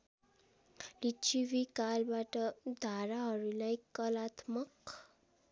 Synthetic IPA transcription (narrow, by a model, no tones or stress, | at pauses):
lit͡ɕiʋikalbaʈəd̪ʱaɾaɦɔɾilajkːəlat̪mək